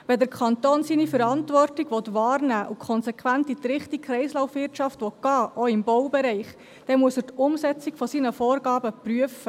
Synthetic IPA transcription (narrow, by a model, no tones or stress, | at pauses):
ʋɛdəɾkʰχɑnt̪oːnsinifəɾɑntʋɔrtɪɡ̥ʋɔt̪ʋɑːrnæːʔʊkʰχɔnsɛkʰʋæntit̪ɾɪχtikχɾɛɪslawfʋɪrtʃɑftʋɔtɡ̥ɑːʔɔɪmbɔwbɛɾɛɪχ | d̥ɛmuəsəɾtʊmsɛt͡sɪkfɔsinəfɔːrɡɑːbəpryəfə